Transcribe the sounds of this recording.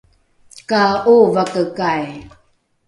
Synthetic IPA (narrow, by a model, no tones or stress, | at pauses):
kauvakəkaj